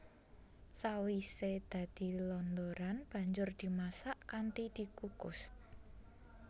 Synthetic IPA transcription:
sawised̪̥a̤d̪̥i̤lɔnd̪oɾanb̥ä̤ɲd͡ʒʊrd̪̥i̤masaʔkanʈid̪̥i̤kukʊs

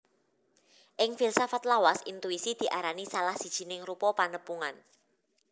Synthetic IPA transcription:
ʔɪŋfilsafat̪lawasint̪uisid̪̥i̤ʔaɾanisalahsi̤d̥ʒ̥i̤nɪŋrupɔpanəpuŋan

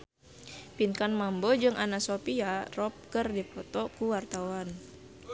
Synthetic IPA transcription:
pinkanmambɔd͡ʒɨŋʔanasopiarɔp̚kərdipɔt̪ɔkuwart̪awan

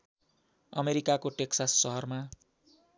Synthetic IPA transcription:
ʌ̰meɾikakoʈeksasːʌɦʌrma

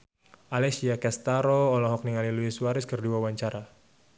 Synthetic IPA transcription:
ʔalɛsiakɛst̪aɾoːlɔɦɔk̚niŋaliluiswaɾɪskərduawaɲt͡ʃaɾa

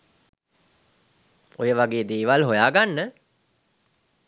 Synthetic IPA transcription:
ojəʋaɡeːd̪eːʋalɦojaːɡanːə

